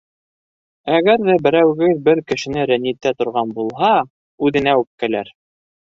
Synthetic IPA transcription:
æɡæɾðæbɘ̆ɾæwɡɘðbɘɾkɘ̆ʃɘ̆nɘɾænːit̪ːæt̪ŏɾʁɑnbulˠɦɑ | ʉðɘ̆næʉp̚kælæɾ

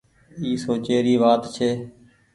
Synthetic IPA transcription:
iːsoːt͡ʃeːɾiːʋaːt̪t͡ʃʰeː

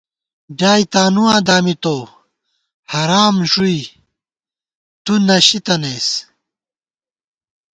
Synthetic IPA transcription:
ɖaːjt̪aːnuwãːd̪aːmit̪oː | hɐɾaːmʑui | t̪unɐɕit̪ɐneːs

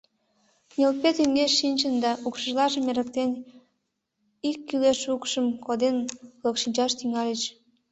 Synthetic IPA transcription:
nʲelpet̪yŋeʃːinʲt͡ɕənd̪ɑʔukʃəʒlɑʒəmeɾə̆k̚t̪en | ikːyleʃukʃəmkod̪enlokʃinʲt͡ɕɑʃt̪yŋɑlʲet͡ɕ

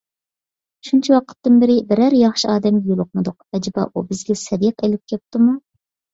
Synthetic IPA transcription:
ʃunt͡ʃʰiwɑqʰə̥t̪ːɨnbɪɾɪbɪɾæɾjɑχʃiɑːd̪ɛmɡʲɛjolˠʊq̚mɨd̪ʊq̚ɛd͡ʒbɑ̰ʔubɪzɡʲɛsɛd̪iqʰelɪp̚kʲʰɛp̚t̪ɨmu

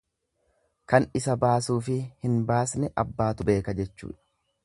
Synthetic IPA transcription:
kɐnɪsɐbaːsuːfɪhɪnbaːsnɛʔɐbːaːt̪ʊbe̞ːkɐd͡ʒɛt͡ʃːṵːᶑɐ̥

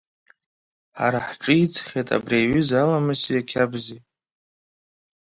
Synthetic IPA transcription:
ħa̰ɾaħʈ͡ʂʼɨit͡sʰχʲetʼa̰briɥʏzalamɨsijakʲʰabzi

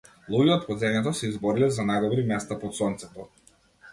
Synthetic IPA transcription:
lˠuɡʲiɔt̪̚pɔd̪zɛɲɛt̪̬ɔsɛizbɔɾilɛzanajd̪ɔbɾimɛst̪apɔt̪sɔnt̪sɛt̪ɔ

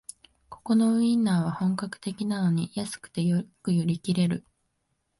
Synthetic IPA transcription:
ko̞ko̞no̞ɯ̟ĩnːaːβ̞ahõ̞ŋkakɯ̟̥t̪e̞kʲinano̞ɲ̟ijasɨ̥kɯ̥t̪e̞jokɯ̟joɾʲikʲiɾe̞ɾɯ̟

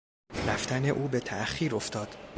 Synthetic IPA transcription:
ræft̪æne̞ʔuːbe̞t̪ʰæχiːɾo̞ft̪ʰɒːd̪̥

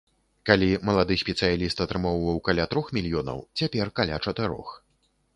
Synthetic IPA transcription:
kalʲimɐlˠad̪ɨsʲpʲɛt̪sɨjalʲist̪ɐt̪ɾɨmɔwvɐwkalʲat̪ɾɔxmʲilʲjɔnɐ̰wt͡sʲapʲɛrkalʲa̰t͡ʂɐt̪ɨɾɔ̰x

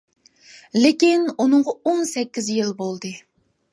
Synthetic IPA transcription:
lekʲinunɨŋʁɑonsɛkʲːizjilˠbolˠd̪ɨ

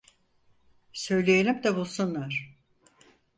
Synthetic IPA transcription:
sø̞jlʲejelʲimd̪ɛbulˠsunlˠaɾ̥

